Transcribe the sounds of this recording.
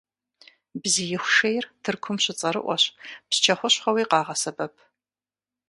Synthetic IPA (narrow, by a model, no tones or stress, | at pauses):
bzijɪxʷʂejrtʰɨrkʷʰʊmɕɪt͡sʼɐɾɨ̰ʔʷɔɕpst͡ʃʰɐχʷʊɕχɐwiːqɑːʁɐsɐbɐpʰ